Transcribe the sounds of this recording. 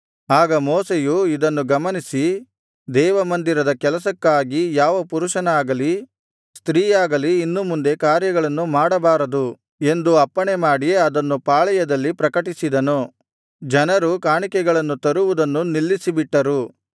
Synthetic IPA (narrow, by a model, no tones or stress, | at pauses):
aːɡɐmɔːsejuid̪ɐnːuɡɐmɐnisi | d̪ɛːʋɐmɐnd̪iɾɐd̪ɐkɛlɐsɐkːaːɡijaːʋɐpuɾuʂɐnɐaːɡɐli | st̪ɾiːjaːɡɐliːnːumund̪e̞kaːɾjɐɡɐɭɐnːumaːɽɐbaːɾɐd̪u | e̞nd̪uɐpːɐɳemaːɽijeɐd̪ɐnːupaːɭɛjɐd̪ɐlːipɾɐkɐʈisid̪ɐno | d͡ʒɐnɐɾukaːɳikɛɡɐɭɐnːut̪ɐɾuʋud̪ɐnːunilːisibiʈːɐɾu